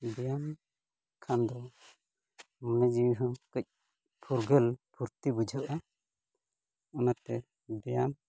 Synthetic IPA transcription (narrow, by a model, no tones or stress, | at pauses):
bɛjam | kʰand̪ɔ | mənad͡ʒiwiɦɔ̃kəc̚ | pʰuɾɡəlpuɾt̪ibud͡ʒʱɔʔa | ɔnat̪ɛ | bɛjam